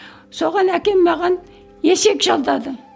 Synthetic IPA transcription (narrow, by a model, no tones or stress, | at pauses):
so̞ʁɑnækʲe̞mːɑʁɑn | je̞se̞kʒɑlˠd̪ɑd̪ə